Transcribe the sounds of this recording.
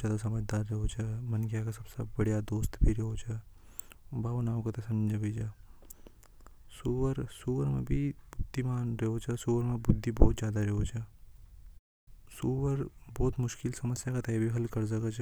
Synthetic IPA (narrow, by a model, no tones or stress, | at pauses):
jaːd̪as̬ɐməd͡ʒd̪aːɾːɐɦot͡ʃʰɐmɐnɡjakasɐbsebɐɽijad̪oːst̪bʱiɾɐɦot͡ʃʰɐ | baːʋnaːkat̪esɐ̃md͡ʒɐbit͡ʃa | suːʋəɾsuːʋəɾmḛ̃bʱibʊd̪ʱːimaːnɾeɦot͡ʃasuːʋəɾmẽbʊd̪ʱːibɔːt̪zjaːd̪aɾeɦot͡ʃʰɛ | suʋəɾbɔːt̪mʊʃkɪlsɐməsjakat̪ɛbʱiɦɐlkɐɾzɐkat͡ʃʰː